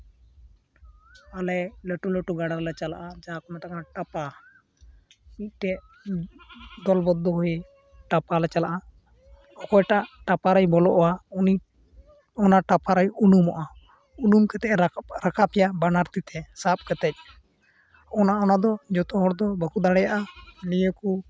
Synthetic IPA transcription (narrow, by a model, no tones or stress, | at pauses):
alɛlɛʈulɛʈuɡaɽaɾlɛt͡ʃala̰ʔad͡ʒakɔmɛt̪akaʈapa | ic̚ˀʈɛ | d̪ɔlbɔd̪ːɔɦɔe | ʈapalɛt͡ʃalaʔa | ɔkɔjʈaʔʈapaɾajbɔlɔʔɔwauni | ɔnaʈapaɾajunumɔʔa | unumkɛt̪ɛʔɛɾakʰapɛjabanaɾt̪it̪ʰɛsap̚kɛt̪ɛc̚ | ɔnaɔnad̪ɔd͡ʒɔt̪ɔɦɔɽd̪ɔbəkud̪aɽɛjaʔanijəku